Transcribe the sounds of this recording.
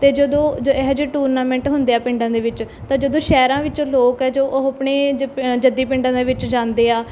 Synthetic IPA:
t̪eːd͡ʒəd̪õːd͡ʒoɛɦd͡ʒːʈuːɾnaːmɛ̃ːɳʈɦʊnd̪eːaːpɪ̃ɳɖãːd̪eːʋɪt͡ʃ | t̪ãːd͡ʒəd̪õːʃɛːɾãːʋɪt͡ʃoːloːkɛːd͡ʒoːʔəpɳeːd͡ʒəd̪iːpɪ̃ɳɖãːd̪eːʋɪt͡ʃd͡ʒãːnd̪eːaː

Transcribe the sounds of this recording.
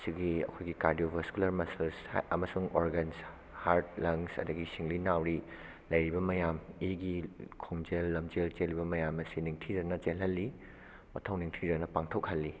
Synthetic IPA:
siɡiɐ̰kʰojɡikaɾdijobʱɐskulɐɾmɐsɐlsɐmɐsuŋʔoɾɡens | haɾt̚lɐŋsɐ̰dɐɡisiŋlinawɾi | lɐjɾibɐmɐjamiɡikʰoŋd͡ʒelːɐmd͡ʒelt͡ʃelːibɐmɐjamɐsiniŋtʰiɾɐnɐt͡ʃelɦɐlːi | mɐtʰɐwniŋtʰiɾɐnɐpaŋtʰokhɐlːi

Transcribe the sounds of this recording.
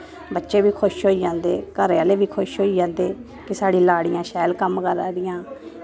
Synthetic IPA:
bətːʃeːbiːkʰʊʃɦoːiːd͡ʒãːnd̪ḛːkəɾeaːleːʋiːkʰʊʃɦoːiːd͡ʒãːnd̪eː | kɪsaːɽiːlaːɽɪjãːʃɛːlkəmkəɾaːd̪ɪjãː

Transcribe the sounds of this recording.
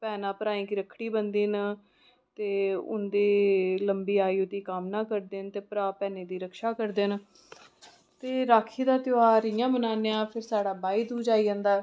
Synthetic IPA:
pɛːnãːpəɾaːĩːkiːɾəkʰːɽiːbənd̪iːn | t̪eːʊ̰nd̪eːləmbiːaːiːʊt̪iːkamnaːkəɾd̪eːnt̪eːpəɾaːpɛːneːd̪iːɾəkʰʃaːkəɾd̪en | t̪eːɾaːkʰiːd̪aːt̪joaːɾɪjãːbənaːneːãːpʰɪɾsaːɽaːbaːiːd̪uːd͡ʒaːiːãːnd̪aː

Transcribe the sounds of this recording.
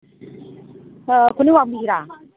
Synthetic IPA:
kʰuniwabiiɾa

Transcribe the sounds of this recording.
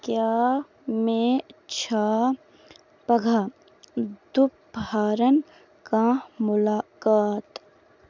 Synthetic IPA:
kjaː | mẽt͡ʃʰaː | pɐɡʱa | d̪ʊp | bʱaːɾən | kãːmʊlaːkaːt̪

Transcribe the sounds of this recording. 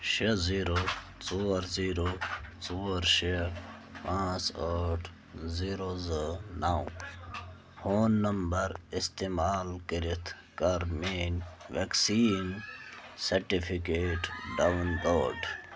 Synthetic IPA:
ʃeziːɾo | t͡soːɾziːɾot͡soːɾʃe | pãːt͡saʈʰ | ziːɾozənaw | foːnːɐmbɐɾist̪emaːlkiɾit̪ʰ | kɐɾmeːnʋeksiːn | sɐɾʈipʰikeːʈɖawunloːɖ

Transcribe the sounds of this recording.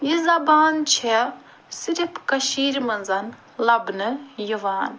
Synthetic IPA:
jizɐbaːnt͡ʃʰe | siɾipkɐʃiːɾmɐnzɐn | lɐbnɨjuʋaːn

